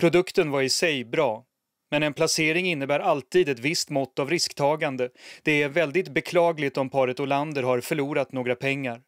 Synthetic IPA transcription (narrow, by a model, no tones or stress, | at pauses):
pʰɾʊd̪ɵkt̪ənvaɾɪsɛjbɾɑː | mɛnɛnpʰlaseːɾɪŋɪnːəbæːɾalt̪iːd̪ɛt̪vɪst̪mɔt̪ːavɾɪskt̪ʰɑːɡand̪əd̪̥ɛæɾvɛld̪ɪt̪bɛkʰlɑːɡlɪt̪ɔmpʰɑːɾət̪ɔland̪əɾhaɾfœɭuːɾat̪noːɡɾapʰɛŋːaɾ